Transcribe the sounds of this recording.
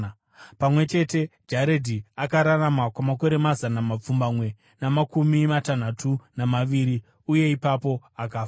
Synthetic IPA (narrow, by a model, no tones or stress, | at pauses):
pamwe̞t͡ʃe̞te̞d͡ʒaɾedʱiakaɾaramakwamako̞ɾe̞mazanamap͡fumbamwe̞ | namakumimatan̤atʰunamaʋiːɾi | uje̞ipapo̞akaːfa